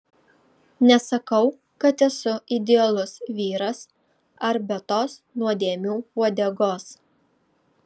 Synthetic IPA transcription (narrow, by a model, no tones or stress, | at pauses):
nʲɛsɐkɐʊ | kɐt̪ɛsʊɪd̪ʲɛɐlˠʊsʋʲiːɾɐs | ɐɾbʲɛt̪oːsnuɔd̪ʲeːmʲuːpuɔd̪ʲɛɡoːs